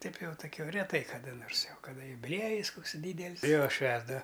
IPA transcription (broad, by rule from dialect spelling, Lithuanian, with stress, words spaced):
ˈtɐɪp ˈjɛʊ toːˈkʲoː rʲɛˈtɐɪ kɐˈdɐ ˈnoːrs jɛʊ kɐˈdɐ jʊbʲɪˈlʲiɛjɪs ˈkoːks ˈdʲiːdʲɛlʲsʲ ˈjoː ˈʃʲʋʲæːzdɐʋɐ